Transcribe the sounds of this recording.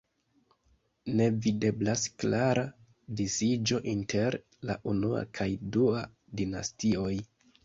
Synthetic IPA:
ne̞vide̞blasklaɾa | disid͡ʒo̞ʔintʰe̞ɾ | la̰ʔunua̰kʰajdua | dina̰stio̞j

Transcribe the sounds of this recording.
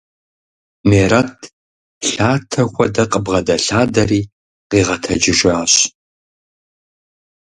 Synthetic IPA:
meːɾɐtʰ | ɬaːtʰɐxʷɔdɐqʼəbʁɐdɐɬaːdɐriː | qiːʁɐtʰɐd͡ʒɪʒaːɕ

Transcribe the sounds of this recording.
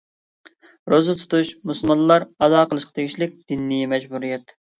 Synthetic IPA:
ɾozɨt̪ʰu̥t̪uʃmusɨlˠmɑnˠlˠɑɾɑzɑːqʰəlˠɨʃqʰɑt̪ʰeɡʲiʃlɪk̚ʲd̪̥inːijɛmɛd͡ʒbuɾijɛt̪

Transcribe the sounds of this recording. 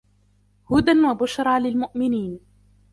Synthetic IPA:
hʊd̪anwabʊʃɾˤɑːlɪlmʊʔmɪniːn

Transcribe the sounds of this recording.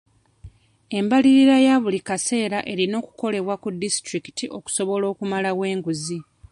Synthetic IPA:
e̞mbaliɾiɾajaβulikase̞ːɾaʔe̞ɾino̞ːku̥ko̞le̞βwakudːistɾiki̥tiʔo̞ku̥so̞βo̞lo̞ːkumalawe̞ːŋɡuzi

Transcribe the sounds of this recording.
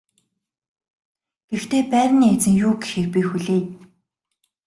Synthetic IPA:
ɡ̥ext̪ʰeːpæːrʲniːet͡sɘ̆ŋjuːɡexĕrpʲiːxuɮeː

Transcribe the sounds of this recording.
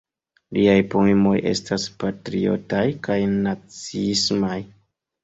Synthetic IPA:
liajpoemo̞jʔe̞̰staspatɾio̞̰tajkajnat͡sismaj

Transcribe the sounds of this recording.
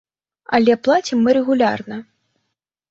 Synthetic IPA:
ɐlʲɛplˠat͡sʲimːɨɾɛɣulʲa̰rnɐ

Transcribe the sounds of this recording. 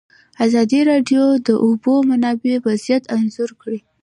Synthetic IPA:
azɑd̪iɾɑɖjod̪əʔobomanɑbewazijat̪anzʊɾkɽi

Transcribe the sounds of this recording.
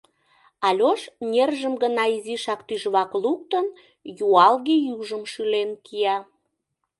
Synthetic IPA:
ɑlʲoʃnʲerʒəmɡənɑiziʃɑkt̪yʒβɑkluk̚t̪ən | juɑlɣejuʒəmʃylenkʰijɑ

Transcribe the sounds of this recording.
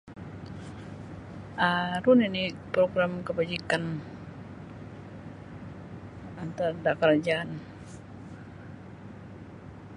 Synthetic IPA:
ʔaɾuninipɾoɡɾamkəbad͡ʒikan | ant̪ardakɾad͡ʒaːn

